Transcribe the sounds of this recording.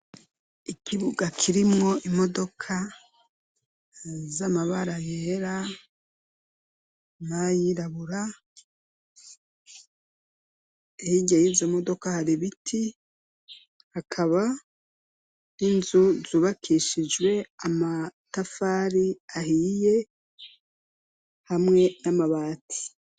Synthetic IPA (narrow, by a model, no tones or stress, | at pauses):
ikʰiβuɡakʰiɾimŋo̞ʔimo̞do̞kʰa | zamaβaɾajeɾa | majiɾaβuɾa | ehiɟajizomo̞do̞kahaɾiβitʰi | hakʰaβa | ninzuzuːβakʰiʃid͡ʒɡwe̞amatafaːɾiahije̞ | hamŋe̞namaβaːtʰi̥